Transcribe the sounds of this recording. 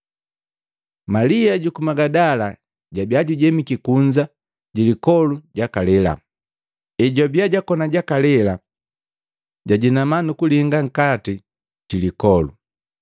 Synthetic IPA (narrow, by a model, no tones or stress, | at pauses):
maliaɟukumaɡadala | ɟabiaɟuɟɛmikikuɲd͡ʒa | ɟilikɔluɟakalɛla̰ | ɛɟɔbiaɟakɔnaɟakalɛla | ɟaɟinamanukuliŋɡaŋ̩kati | ɟilikɔlṵ